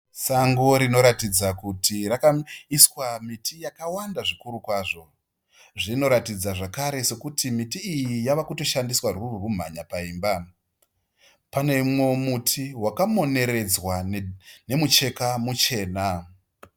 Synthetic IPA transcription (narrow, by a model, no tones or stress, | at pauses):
saŋɡoɾino̞ɾatid͡zakutirakaiswamitʰijakawandaʐikuɾukwaːʐo̞ | ʐino̞ɾatid͡zaʐakaɾe̞se̞kutimitiːjijaʋakuto̞ʃandiswarurum̤a̰ɲapaiːmba | pane̞mwemutʰiwakamo̞ne̞ɾe̞d͡zwane̞mut͡ʃe̞kamut͡ʃe̞ːna